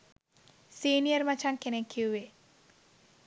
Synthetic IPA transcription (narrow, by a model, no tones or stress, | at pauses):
siːnijəɾmat͡ʃaŋkenekʰːiuʋe